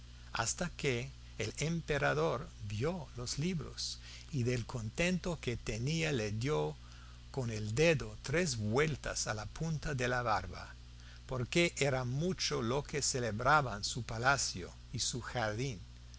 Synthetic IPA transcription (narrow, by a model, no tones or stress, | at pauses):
a̰st̪akeː | lempeɾaðoɾbjolozliβɾo̰s | iðelkʰont̪ent̪oket̪enialeðjo | koneld̪eðot̪ɾezβwelt̪a̰salapʰunt̪aðelaβaɾβa̰ | poɾkeʔeɾamut͡ʃolokeseleβɾaβansupalasjo̰ | isuxaɾðin